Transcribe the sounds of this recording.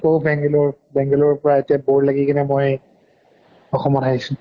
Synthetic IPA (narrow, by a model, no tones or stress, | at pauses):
kobɛŋɡɛlɔɹbɛ̃ŋɡɛlɔɹpɔɹaetijaboɹlaɡikanɛmoj | ɔxɔmɔtaɦisʊ̃